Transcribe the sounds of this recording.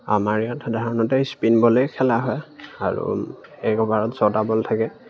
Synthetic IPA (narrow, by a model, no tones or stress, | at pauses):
a̰maɹijatdʱaɹɔnɔtɛspinbɔlejkʰɛlaɦɔjaɹṵɛkɔbaɹɔtz̥ɔtabɔltʰakɛ